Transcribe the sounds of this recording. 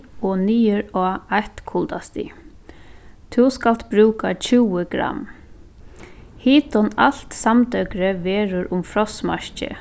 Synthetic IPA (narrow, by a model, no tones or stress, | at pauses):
ɔniːəɾɔːaht̪kʰʊlt̪ast̪ḭ | t̪ʰuskalt̪bɾuːkat͡ʃʰuːwəɡɾa̰mː | hiːt̪ɔnal̥t̪samt̪œkɾəʋeːɾʊɾʔʊmfɾɔsma̰ɹcɪ̰